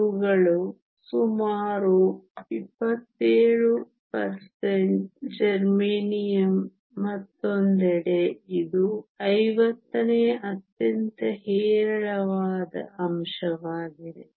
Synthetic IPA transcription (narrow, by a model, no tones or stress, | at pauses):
uɡɐɭu | sumaːɾuipːɐt̪ːeːɭu | pɐɾseɳʈd͡ʒɐɾmeːnijɐmː | ɐt̪ːond̪ɛɽeid̪uɐjʋɐt̪ːɐneːɐt̪jɐnt̪ɐɦeːɾɐɭɐʋaːd̪ɐ̰ɐmʃɐʋaːɡid̪e